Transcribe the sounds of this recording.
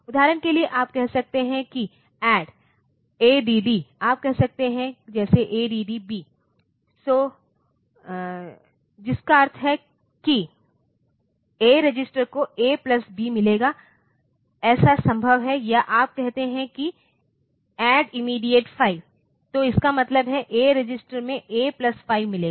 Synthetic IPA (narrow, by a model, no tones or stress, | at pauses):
ʊd̪ʱaːɾənkelieʔaːp̚kɛɦsɐk̚t̪eɦɛ̃ki | ɛːɖ | eːɖiːɖiːaːp̚kɛɦsɐk̚t̪eɦɛ̃d͡ʒɛːseʔeːɖiːɖibiː | soː | d͡ʒɪskaɐɾt̪ʰɦɛ | ki | eːɾɪd͡ʒɪsʈəɾkoeːplɐsbimɪleːɡaː | ɛːsasɐ̃mbʱəʋɦɛjaʔaːp̚kɛɦt̪eɦɛ̃ki | ɛːɖɪmiːɖijeʈfʰaːɪʋ | t̪oɪskamɐt̪ləbɦɛʔeːɾɪd͡ʒɪsʈəɾmẽʔeːplɐsfaːɪʋmɪleːɡaː